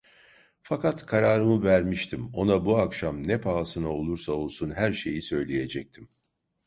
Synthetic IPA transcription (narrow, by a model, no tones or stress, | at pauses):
fakat̪kʰaɾaːɾɯmɯvæɾmiʃt̪ʰimo̞nabuakʃamnɛpʰaːsɯnao̞lˠuɾsao̞lˠsunɦæɾʃe̞jisø̞jlʲeje̞d͡ʒɛc̚t̪ʰim